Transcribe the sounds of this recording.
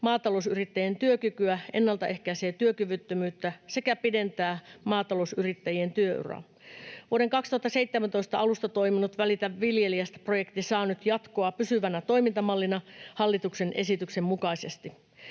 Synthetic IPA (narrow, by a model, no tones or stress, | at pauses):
mɑːt̪ɑlosyrit̪ːæjent̪yøkykyæe̞nːɑlt̪ɑʔe̞hkæise̞ːt̪yøkyʋyt̪ːømyːt̪ːæse̞kæpide̞nt̪æːmɑːt̪ɑlousyrit̪ːæjie̞nt̪yøy̰ro̰ | ʋuoɾe̞ŋkɑkst̪uhɑt̪ːɑseit̪ːemænt̪o̞ist̪ɑɑlust̪ɑt̪o̞iminut̪ʋælit̪æʋilje̞liæst̪æ̥proje̞kt̪isɑːnyt̪jɑt̪ko̞ɑpysyʋænæt̪o̞jmint̪ɑmɑlːinɑhɑlːit̪ukse̞nʔe̞̰sit̪yksemmukɑise̞st̪i